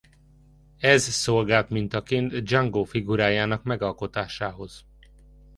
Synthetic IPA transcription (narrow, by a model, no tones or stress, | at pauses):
ɛzsolɡaːlt̪mint̪ɒkeːnt̪d͡ʒɒŋɡoːfiɡuɾaːjaːnɒkmɛɡɒlko̞t̪aːʃaːɦo̞z̥